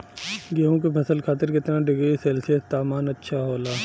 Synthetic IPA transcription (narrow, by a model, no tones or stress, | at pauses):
ɡeɦõk̬epʰɐsəlkʰaːt̪ɪɾkɪt̪naɖɪɡəiseːlset̪aːmaːnɐtːʃʰaɦoːlaː